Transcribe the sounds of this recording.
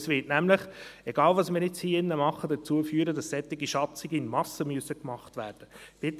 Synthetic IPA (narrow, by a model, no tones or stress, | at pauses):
svɪtnæmləχɛɡɑːlʋɑsmɪːɾɪt͡shiːɪnːəmɑχədət͡suəfyːɾədɑsːɛt̪ːɪɡiʃɑt͡sɪɡəɪnmɑsəmyəsəkmɑχtʋæːɾd̥əb̥ɪt̪